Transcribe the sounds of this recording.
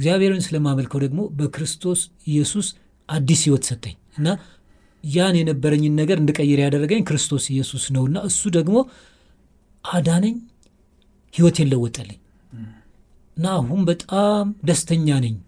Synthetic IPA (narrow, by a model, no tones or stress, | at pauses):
ɨɡzjaβeheɾwunsɨləmaməlkʰəwd̪əɡmo̞bəkɾɨst̪ʰo̞s | ɪjːɛsus | ʔad̪ːishiwɔt̪sət̪ʰʼːə̰ɲ | ɨnːa | janjɛnəbːəɾəɲːɨnːəɡəɾɨnd̪ɨkʼəjːɛɾjad̪ərːəɡəɲːkɨɾɨst̪ʰo̞sɪjːɛsusnəwɨnːaɨsːud̪əɡmo̞ | ʔad̪anɨɲː | hiwɔt̪ʰe̞nləwːɔt̪ʼːəlːə̰ɲː | ʔɨnːaːhunbət̪ʼamd̪əst̪ʰəɲːanɨɲː